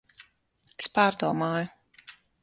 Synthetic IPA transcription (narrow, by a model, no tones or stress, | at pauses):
espaːɾd̪uɔmaːjʊ